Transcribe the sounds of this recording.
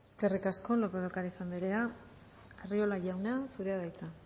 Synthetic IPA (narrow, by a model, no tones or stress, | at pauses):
e̞ske̞rikasko̞lopeðokaɾisamd̪eɾea | ario̞laʝawneasuɾe̞aðajt͡sa